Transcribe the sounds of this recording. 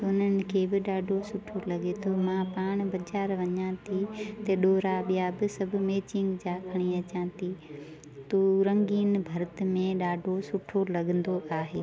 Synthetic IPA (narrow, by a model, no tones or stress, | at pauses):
ʊn̤ənɪ̆kʰeːbɪɗaːɖʱosʊʈʰolɐɠet̪ʰomãpaːɽ̃bɐd͡ʑaːɾʋɐɲãt̪ʰit̪ɐɗoːɾaɓijabɪsɐbʱʊ̆meːt͡ɕɪ̃ŋɡd͡ʑakʰɐɽ̃iɐt͡ɕãːt̪ʰi | t̪oːɾɐ̃ŋɡiːnbʱɐɾt̪ɪ̆mẽɗaːɖʱosʊʈʰolɐɠə̃nd̪oʔaːɦeː